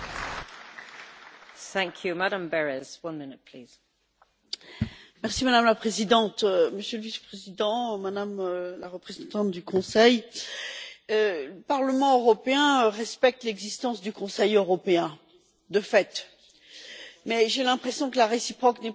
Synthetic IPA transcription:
θæ̃ŋkʰjumaɾə̃mbɛɹɛz̥wʌ̃nmɪnɪt̚pʰl̥iːz̥ | mɛʁsimad̪amlapχezid̪ɑ̃t̪məsjøləvispχezid̪ɑ̃mad̪amølaʁəpχezɑ̃t̪ɑ̃t̪̚d̪ykɔ̃sɛj | øləpaʁləmɑ̃øʁɔpeɛ̃ʁɛspɛk̚t̪lɛɡzist̪ɑ̃sd̪ykɔ̃sɛjøʁɔpeɛ̃ | d̪əfɛt̪ | mɛʒelɛ̃pχesjɔ̃kəlaʁesipχɔknɛ

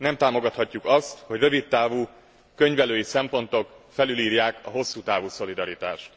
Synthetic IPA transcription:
nɛmt̪aːmo̞ɡɒt̪hɒcːukɒst̪ho̞ɟrø̞vit̪ːaːvuː | kø̞ɲvɛløːjisɛmpo̞nt̪o̞kfɛlyliːɾjaːkɒ̰ɦo̞sːuːt̪aːvuːso̞lid̪ɒɾit̪a̰ːʃt̪

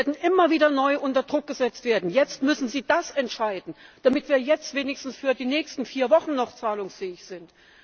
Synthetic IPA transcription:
eɐdn̩ʔɪmɐviːdɐnɔʏʔʊntɐdʁʊk̚ɡ̥əzɛt͡stv̥eːɐdn̩jɛt͡stmʏsn̩ziːdasɛntʃaɪdn̩d̥amɪtv̥iːɐjɛt͡stv̥eːnɪçstn̩sfyːɐdiːnɛːçstn̩fiːɐvɔχn̩nɔχt͡saːlʊŋsfɛːɪçz̥ɪnt

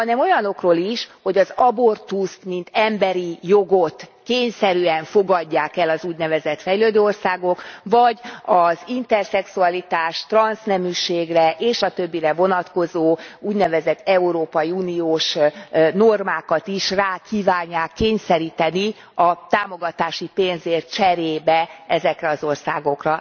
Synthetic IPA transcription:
hɒnɛmo̞jɒno̞kroːliʃho̞ɟɒzɒbo̞rt̪ust̪mint̪ɛmbɛɾijo̞ɡo̞t̪keːɲsɛɾyːɛɱfo̞ɡɒɟːaːkɛlɒzuːɟnɛvɛzɛt̪fɛjløːd̪øːo̞rsaːɡo̞kvɒɟɒzint̪ɛrsɛksuɒlit̪aːʃt̪rɒnsnɛmyːʃeːɡrɛʔeːʃɒt̪ø̞bːiɾɛvo̞nɒt̪ko̞zoːuːɟnɛvɛzɛt̪ːɛuɾoːpɒjiuːnijoːʃno̞rmaːkɒt̪iʃraːkiːvaːɲːaːkːeːɲsɛɾiːt̪ɛni | ɒt̪aːmo̞ɡɒt̪aːʃipeːnzeːrt͡ʃɛɾeːbɛɛzɛkrɛɒzo̞rsaːɡo̞krɒ

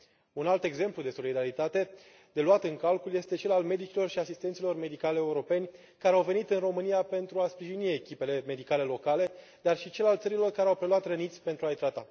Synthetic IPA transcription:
unalt̪e̞ɡze̞mplud̪e̞so̞lid̪aɾit̪at̪e̞ | d̪̥e̞luat̪ɨŋkalkulje̞st̪e̞t͡ʃe̞lalme̞d̪it͡ʃilo̞rʃiasist̪ent̪silo̞rme̞d̪ikaleeuɾo̞pe̞nʲ | kaɾeawve̞nit̪ɨnro̞mɨnijape̞nt̪ɾuaspɾiʒinie̞kʲipe̞le̞me̞d̪ikale̞lo̞kale̞ | d̪arʃit͡ʃe̞lalt̪səɾilo̞rkaɾeawpɾe̞luat̪rənit̪sʲpe̞nt̪ɾuajt̪ɾat̪a

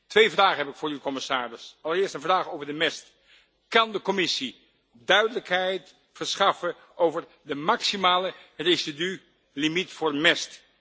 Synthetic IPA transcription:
tʋejvraːχəɦɛpɪkfʊːɹykɔmɪsaːrɪsɑlˠəɹɪːɹstənvraːχowvəɹdəmɛst | kɑndəkɔmɪsi | dœɥdələkɦɛjt | fəɹsχɑfə | ʔowvəɹ | dəmɑksimaːlərezidy | limitfʊːɹmɛst

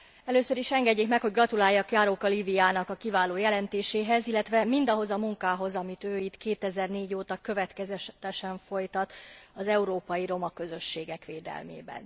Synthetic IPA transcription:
ɛløːsø̞ɾiʃɛŋɡɛɟːeːkmɛkho̞ɟɡrɒt̪ulaːjːɒkjaːɾoːkɒlivijaːnɒkɒkivaːloːjɛlɛnt̪eːʃeːɦɛzilːɛt̪ʋɛmind̪ɒɦo̞zɒmuŋkaːɦo̞zɒmit̪øːit̪keːt̪ɛzɛrneːɟoːt̪ɒkø̞vɛt̪kɛzɛt̪ɛʃɛɱfo̞jt̪ɒt̪ɒzɛuɾoːpɒjiɾo̞mɒkø̞zø̞ʃːeːɡɛkʋeːd̪ɛ̰lmḛːbɛ̰n

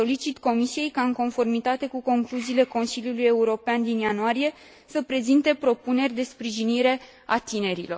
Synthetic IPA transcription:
o̞lit͡ʃit̪ko̞misije̞jkaɨŋko̞nfo̞rmit̪at̪e̞kuko̞ŋkluziːle̞ko̞nsiljuluje̞uɾo̞peand̪injanuaɾije̞ | səpɾe̞zint̪e̞pɾo̞pune̞rʲd̪e̞spɾiʒiniɾe̞ | at̪ine̞ɾḭlo̞r

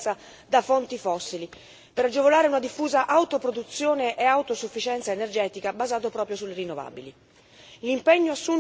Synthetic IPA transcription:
sa | d̪afont̪ifɔsːili | peɾad͡ʒːevolaːɾeunad̪ifːuːzaʔawt̪opɾod̪ut̪sːjoːneʔeawt̪osufːit͡ʃɛnt̪saenerd͡ʒɛːt̪ikabazaːt̪opɾɔːpɾjosulːeɾinːova̰ːbili | limpɛɲːoasːun

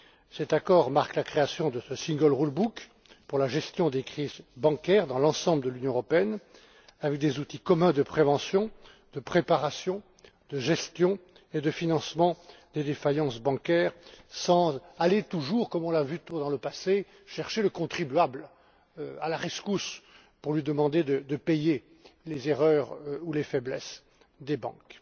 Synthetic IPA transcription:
sɛt̪akɔʁmaʁklakχeasjɔ̃d̪əsəsĩŋɡɔlʁulbuk | puʁlaʒɛst̪jɔ̃d̪ekχizbɑ̃kʲɛʁd̪ɑ̃lɑ̃sɑ̃bləd̪əlynjɔ̃əʁɔpeɛn | avɛk̚d̪ezut̪ikɔmɛ̃d̪əpχevɑ̃sjɔ̃ | d̪̥əpχepaʁasjɔ̃ | d̪əʒɛst̪jɔ̃ | ed̪əfinɑ̃smɑ̃d̪ed̪efajɑ̃sbɑ̃kʲɛʁsɑ̃zalet̪uʒuʁkɔmɔ̃lavyt̪uʁd̪ɑ̃ləpase | ʃɛʁʃeləkɔ̃t̪χibyabl | a̰laʁeskus | puʁlɥid̪əmɑ̃d̪ed̪əd̪əpeje | lezeʁœʁulefɛblɛs | d̪ebɑ̰̃k

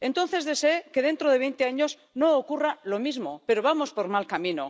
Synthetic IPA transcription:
e̞nt̪o̞nθe̞zðe̞seeke̞ðe̞nt̪ɾoð̞e̞β̞ejnt̪eaɲo̞z | no̞ːkuralo̞mizmo̞̰pe̞ɾoβamo̞spo̞ɾmalkamĩno̰

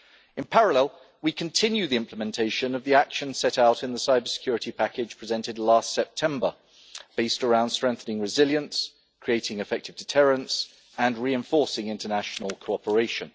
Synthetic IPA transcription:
ɨ̃npʰæɹəlɛlˠ | wikʰə̃ntʰɪ̃njʉðiɪ̃mpʰləmɛ̃ntʰeɪʃə̃nəvðiakʃə̃nsɛɾaʊɾɨ̃nðəsaɪbə˞sɪ̥kʰj̥ɔɹɨtipʰakɪd̥ʒ̥pʰɹ̥ɪzɛ̃ntɪdˡlɑˑstsɛp̚tʰɛ̃mbə˞ | b̥eɪstəɹãʊ̃nd̥stɹ̥ɛ̃ŋkθənɪ̃ŋɹɪzɪlˠjə̃ns | kʰɹ̥ieɪtɪ̃ŋɨfɛk̚tɨvdɨtʰɜːɹə̃nts | ə̃nɹiɨ̃ɱfɔɹsɪ̃ŋɪ̃ntənaʃnəl̩ˠkʰoʊɒpəɹeɪʃə̃n

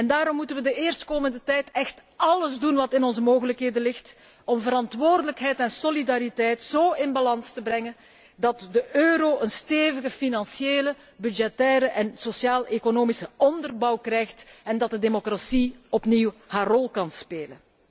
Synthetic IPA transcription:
ɛndaːɾɔmːutənʋədəeːrstkoːməndətɛjtɛxtɑləzdunʋɑtɪnɔnzəmoːɣələkɦeːdənlɪxt | ɔmvəɾɑntʋoːrdələkɦɛjtɛnsolidaɾitɛjtzoːɪnbɑlɑnstəbrɛŋən | dɑtdəʔøːɾoːʔənsteːvəɣəfinɑnsjeːlə | byd͡ʒɛtɛːɾəʔɛnsosjaːlekonoːmisəʔɔndərbɑwkrɛjxtɛndɑt̚dədemokrasiɔpniwhaːrɔlˠkɑnspeːlə̰n

